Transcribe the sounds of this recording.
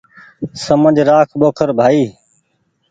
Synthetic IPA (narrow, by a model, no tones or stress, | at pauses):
səməd͡ʒʱɾaːkʰɓoːkʰəɾbʱaːiː